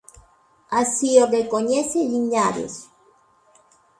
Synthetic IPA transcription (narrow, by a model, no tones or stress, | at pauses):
asiorekoɲeseʎiɲaɾḛs